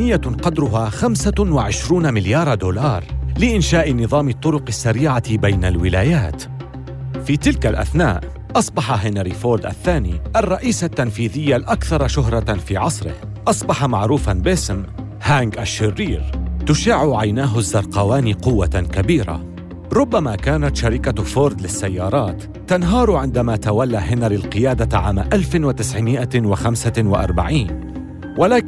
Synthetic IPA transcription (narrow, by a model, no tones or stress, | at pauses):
nɪjːaqɑd̪ɾʊɦaːxamsawɪʕɪʃɾuːnamɪljɑːɾˤd̪oːlɑːɾˤlɪʔɪnʃaːʔɪnɨðˤɑːmɪt̪ˤːʊɾʊqɪsːaɾiːʕabajnalwɪlaːjaːt̪ | fiːt̪ɪlkalʔa̰θnaːʔ | ʔɑsˤbɑħaɦɪnɾifoːld̪ʔa̰θːaːniːʔarˤːɑʔiːsat̪ːanfiːðɪjːalʔakθɑɾˤɑʃʊɦɾˤɑfiːʕɑsˤɾɪ̰h | ʔɑsˤbɑħɑmaʕɾuːfanbɪsm | haːŋɡʔaʃːɪrːiːɾt̪ʊʃaʕuʕajnaːɦʊzːɑɾˤqɑwaːniːqʊwːakabiːɾa̰ | ɾˤʊbːamaːkaːnat̪ʃaɾɪkafoːɾd̪lɪsːajːɑːɾˤɑːt̪ːanɦɑːɾˤʊʕɪnd̪amaːt̪awalːaɦɪnaɾilqɨjaːd̪aʕa̰ːmaʔalfɪwat̪ɪsʕɪmɪʔawaxamsawɪʔɑ̰ɾˤbaʕiːn | walaːk